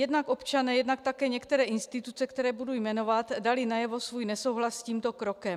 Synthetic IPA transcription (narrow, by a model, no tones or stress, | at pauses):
jɛdnakopt͡ʃanɛːjɛdnakt̪akɛːɲɛkt̪ɛɾɛːʔɪnst̪ɪt̪ut͡sɛkt̪ɛɾɛːbudujmɛno̞vat̪dalɪnajɛvo̞svuːjnɛsowɦlasːciːmt̪o̞kɾokɛm